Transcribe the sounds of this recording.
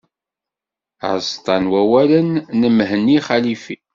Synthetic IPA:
ʕst̪ˤɑnwæwælənːəmɦənːiχælifi

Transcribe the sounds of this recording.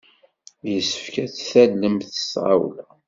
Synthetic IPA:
jəsːə̥fkæt͡sθælːəmθə̥sʁa̰wlæ

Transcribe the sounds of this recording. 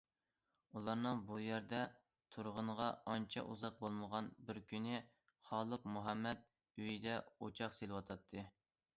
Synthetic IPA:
ulˠɑɾnɨŋbujæɾd̪ɛ | t̪ʰuɾʁʊnʁɑɑnt͡ʃʰɛ̰ʔuzɑq̚bolˠməʁɑnbɪɾkʲynɪ | χɑːlˠɨqmuɦɑmːɛt̪̚ | yjid̪ɛot͡ʃʰɑqselɪwɑt̪ʰɑt̪ʰːɨ

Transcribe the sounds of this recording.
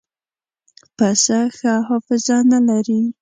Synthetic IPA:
pasaxahɑfɪzanalaɾi

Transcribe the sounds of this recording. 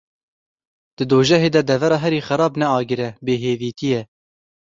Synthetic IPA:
d̪̥ɨd̪oːʒɛɦeːd̪ɛd̪ɛvɛɾɑːɦɛɾiːxæɾɑːbnɛɑːɡɨɾɛbeːɦeːviːt̪ijɛ

